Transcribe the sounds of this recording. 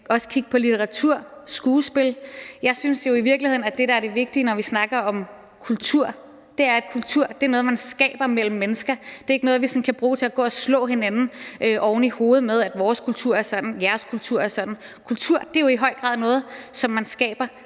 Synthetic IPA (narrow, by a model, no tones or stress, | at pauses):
ɒ̽sə̥kʰiɡ̥̚pʰɒ̽lit͡sʰeʁɑ̈t͡sʰuɐ̰sɡ̥uːsb̥e̝ljɑ̈ɪsynsjo̝iʋiɐɡ̥lihe̝ð̰ˠn̩æd̥e̝ɾ̥ɑ̈æɐɾ̥e̝ʋe̝ɡ̥̚d̥inɒʋisnɑ̈ɡ̥ɐɒ̽m | kʰult͡sʰuɐ̰ | d̥e̝æɐed̥̚kʰult͡sʰuɐ̰d̥e̝ænɔð̩ˠmænsɡ̥ɛ̰ːb̥ɐmel̰m̩ːenəsɡ̥ɐd̥e̝ɐeɡənɔ̽ːð̞̩ˠʋisɒ̽nkʰæb̥ʁuːt͡sʰe̝æɡ̥ɔ̰̽ːɒslɔ̰̽ːɦe̝nænn̩ʔøʔɒʊnəiho̝ːð̞̩ˠmeð̞ˠæd̥ʋɒːskʰult͡sʰuɐ̰æɐsɒ̽d̥n̩jæɐskʰult͡sʰuɐ̰æɐsɒ̽d̥n̩ | kʰult͡sʰuɐ̰d̥e̝jo̝iɦɒ̽ɪ̰ɡ̥ʁɑ̰̈ðˠnɔ̽ːð̞̩ˠsɒ̽mːænsɡ̥ɛ̰ːb̥ɐ